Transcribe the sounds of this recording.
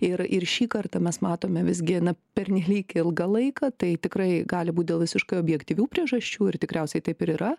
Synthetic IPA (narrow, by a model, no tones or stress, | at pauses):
ɪrɪrʃʲiːkɐrt̪ɐmʲɛsmɑːt̪oːmʲɛʋʲɪzʲɡʲɪnɐpʲɛɾʲnʲɛlʲiːkɪlˠɡɐlˠɐɪkɐt̪ɐɪt̪ʲɪkrɐɪɡɑːlʲɪbuːt̚ʲd̪ʲeːlˠʋʲɪsʲɪʃkɐɪoːbʲjɛkt̪ʲiʋʲuːpʲɾʲiɛʒɐʃʲt͡ʃʲuːɪrt̪ʲɪkɾʲɛʊsʲɛɪt̪ɐɪpɪɾiːɾɐ